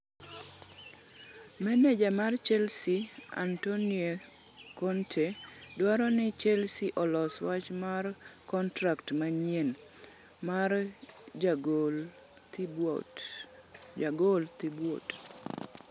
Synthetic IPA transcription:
mɛnɛd͡ʒamart͡ʃɛlsi | a̰ntonie | kɔntʰe | dwaɾɔnɪt͡ʃɛlsiʔɔlɔswat͡ʃmar | kɔntɾaktmaɲen | mar | aɡolt̪ibwot

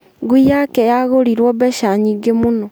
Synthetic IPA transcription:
ŋɡuijakɛjaɣoɾiɾwɔbɛʃaɲiɡemonɔ

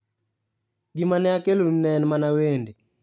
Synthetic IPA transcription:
ɡimanɛakelunnɛnmanawende

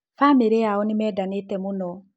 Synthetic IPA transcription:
fameɾeaɔnimɛdanetɛmũnɔ

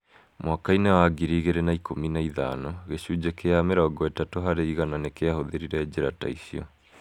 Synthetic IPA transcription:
mwakainewaɡiɾiɣeɾenaikʰominaiða̰nɔɣeɕud͡ʑekeameɾɔɡɔetatoɦaɾeiɣananekeahoðeɾiɾɛd͡ʑeɾata̰isiɔ̰

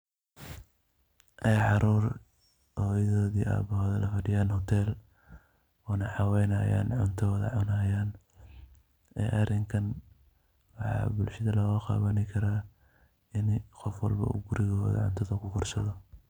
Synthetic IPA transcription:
ʔɛjʕɑɾʔuːr | hɔjɐðɔːðiːʔa̰ːbɐhɔːðɐlɐfɐɖɪjaːnhɔt̪ʰɛːl | ɔːnɐħɑwɛnɐːja̰ːnʕʊ̰nt̪ʰɔːðɐ̰ʕʊnaːjaːn | ɛ̰ːʔɐrɪŋkʰɐn | wɑħɑ̰ːbʊlʃɐðɐlɔːɣɐqɑ̰ːβɐnɪkʰɐɾaː | ɪnɪqɔfwɑ̰lbɐ̰ṵɡʊɾɪɣɔːðɐ̰ʕʊ̰nt̪ʰɐðɐkʰʊqʰɔrsɐðɔ

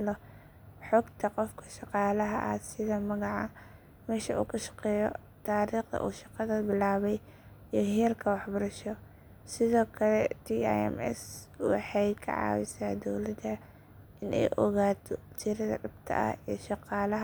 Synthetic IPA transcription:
lɔ | ħɔːɡt̪ʰɐqɔfkʰɐ̥ʃɑqɑːlɐɦɐʔɐ̰sɪðɐmɐɣɑʕɑ | mɛːʃɐʔṵːkʰɐʃɑ̥qɛːjɔ̰ | t̪ʰaːɾiːqd̪ɐ̰ʔṵːʃɑqɑðɐbɪlaːβɛj | iɦɛːrkʰɐwɑħbɐɾɐʃɔ | sɪðɔːkʰɐlɛt̪ʰia̰jɛ̰mɛ̰swɑ̰ħɑjkʰɐ̰ʕɑ̰ːwɪsaːd̪ɔwlɐd̪ɐ | ʔɪnʔɛ̰jʔɔ̰ɣaːt̪ʰɔt̪ʰɪɾɐðɐ̰ɖɐbt̪ʰɐ̰ʔɐ̰hɛ̰ʃɑqɑːlɐɦ

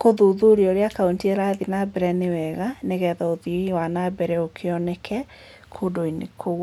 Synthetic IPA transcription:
koðoðoɾiɔɾeakaontieɾaːðinabɛɾɛnewɛɣaneɣɛːðɔoðiɾiwanabɛɾɛokʰeɔnɛkʰɛ | kʰodoinḛkʰo

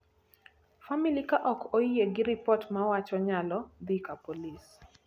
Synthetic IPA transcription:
familikaʔɔkʰojjeɡɪɾɪpɔtmawat͡ʃɔɲalɔd̪ikapolis

